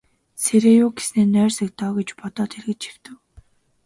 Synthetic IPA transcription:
sʰeɾeːjʊːɡe̥sneːnœːrsĕk̚t̪ɔːɡet͡ɕpɔt̪ɔːt̪ʰerɣɘ̆t͡ɕiw̥t̪ɘ̆w

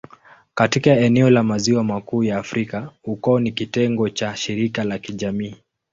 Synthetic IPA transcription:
katikaɛnɛɔlamaziwamakuːjaːfɾikahukɔɔnikitɛŋɡɔt͡ʃaʃiɾikalakiʄamiː

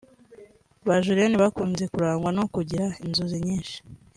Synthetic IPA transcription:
βaʒuɾeniβakuːnze̞kuɾaːŋɡwano̞kuɟiɾainzuziɲiːnʃi̥

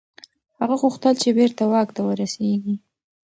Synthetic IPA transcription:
haɣaɣuxt̪əlt͡ʃebeɾt̪awɑkt̪awəɾaseɡi

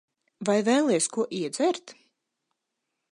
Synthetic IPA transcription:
vajvɛːlˠɛjskuɔʔiɛd̪zɛɾt̪

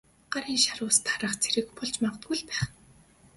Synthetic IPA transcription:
ɢaɾiːŋʃaɾʊːst̪ʰaɾə̆χt͡sʰeɾɘ̆kpʰʊɮt͡ɕmaʁt̪ɡuɮpæːχ

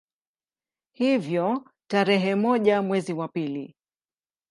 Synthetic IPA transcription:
hivjɔ | taɾɛɦɛmɔʄamwɛziwapilḭ

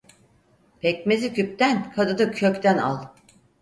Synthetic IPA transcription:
pʰɛc̚mezicyp̚t̪ænkʰad̪ɯd̪ɯkʰøct̪ʰæna̰lˠ

